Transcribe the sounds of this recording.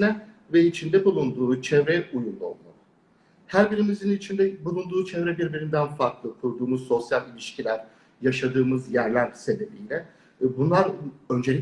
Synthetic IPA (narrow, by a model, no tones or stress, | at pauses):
nɛ | vɛit͡ʃʰind̪ɛbulˠund̪uːt͡ʃʰɛvɾɛujund̪ˠao̰lˠmaɯ | hæɾbiɾimizinit͡ʃʰind̪ɛbulˠund̪uːt͡ʃʰɛvɾɛbiɾbiɾind̪ænfaɾklˠɯkʰuɾd̪uːmuzso̞sjalʲilʲiʃcʰilʲæɾ | jaʃad̪ɯːmɯzjæɾlʲæɾse̞be̞bijlʲɛ | bunlˠaɾø̞nd͡ʒelʲi